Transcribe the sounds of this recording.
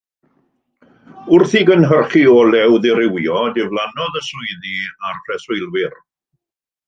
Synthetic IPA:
ʊrθiɡənɦərχiɔlɛwðɪɾɪwjɔdɪvlˠanɔðəsʊɨðiarpʰrɛsʊɨlˠwɪr

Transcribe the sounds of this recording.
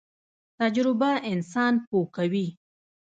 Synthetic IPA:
t̪ad͡ʒɾɪbaʔɪnsɑnpokawi

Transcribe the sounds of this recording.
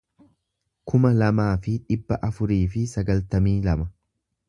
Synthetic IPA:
kʊmɐlɐmaːfɪᶑɪbːɐʔɐfʊɾiːfɪsɐɡɐlt̪ɐmiːlɐmɐ

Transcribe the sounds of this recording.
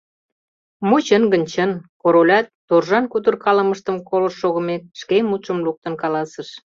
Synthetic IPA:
mut͡ɕənɡə̆nʲt͡ɕənkoɾolʲɑt̪ːorʒɑnkut̪ərkɑlə̆məʃt̪əmkoləʃːoɣə̆mek̚ʃkemut̪ʃə̆mluk̚t̪ə̆nkɑlɑsə̆ʃ

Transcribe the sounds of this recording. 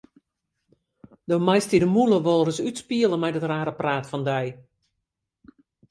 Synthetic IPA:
d̥omajstidəmuləʋolˠrəsytspiəlˠəmɛjdətraːɾəpraːtfɔndɛj

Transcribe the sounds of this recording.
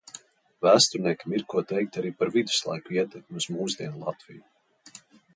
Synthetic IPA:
væːst̪uɾniɛkʲamiɾkuɔt̪ɛjk̚t̪aɾiːpaɾvid̪u̥slˠa̰jkuiɛt̪ɛk̚mʲuzmuːzd̪ʲiɛnlˠat̪vḭju

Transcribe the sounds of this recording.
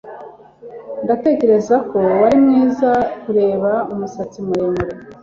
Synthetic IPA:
ndate̞ce̞ɾe̞zako̞waɾimŋiːzakuɾe̞ːβaumusat͡simuɾemeɾe

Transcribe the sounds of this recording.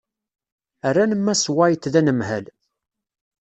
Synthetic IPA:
ærːænəmːæswajt̪ːðænəmɦæl

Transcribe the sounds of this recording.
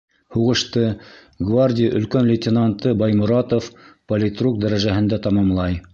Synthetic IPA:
huʁɤ̆ʃt̪ɤ | ɡvarʲdʲɪjʔɵ̆lkænlʲɪtʲɪnant̪ɤbɑjmʊ̆ɾɑt̪ofpolʲɪt̪ruk̚d̪æɾæʒæhɘ̆nd̪æt̪ɑmɑmlˠɑj

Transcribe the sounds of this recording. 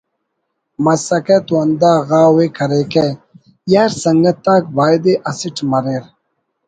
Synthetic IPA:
mɐsɐket̪uɐnd̪aːɣaːweːkɐɾeke | jaːɾsɐŋɡɐt̪ːaːkbaːjd̪eʔɐsiʈmɐɾeɾ

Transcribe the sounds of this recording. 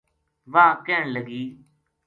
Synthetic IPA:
ʋãːkɛːɳləɡiː

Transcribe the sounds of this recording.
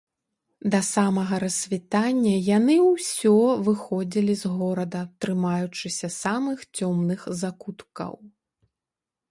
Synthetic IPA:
d̪ɐsamɐɣɐɾɐsʲvʲit̪anʲːɐjanɨwsʲɔvɨxɔd͡zʲilʲizɣɔɾɐd̪ɐt̪ɾɨmajut͡ʂɨsʲɐsamɨxt͡sʲɔmnɨxzakut̪kɐ̰w

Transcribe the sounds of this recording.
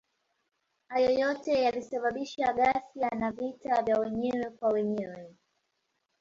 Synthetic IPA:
hajɔjɔtɛjalisaɓaɓiʃaɠasjanavitavjawɛɲɛwɛkwawɛɲɛwɛ

